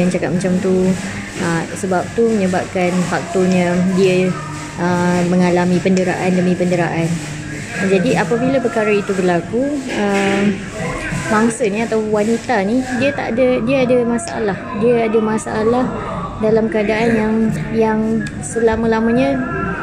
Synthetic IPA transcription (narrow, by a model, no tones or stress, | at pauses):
ant͡ʃaka̰t̪̚mət͡ʃamt̪u | əsəbap̚t̪uməɲəbap̚kanfak̚t̪oɲə̃diə | ʔəmə̃ŋalamĩpəndəɾa̰ʔandəmipəndəɾa̰ʔan | d͡ʒadiapabilapərkaɾait̪uɡəlakuəm | maŋsəniat̪awwanit̪anidiət̪a̰ʔa̰dədiaadamasaʔa̰lahdiəadamasaʔalah | dalamkəadaʔanjaŋjaŋ | səlamãlamãɲə̃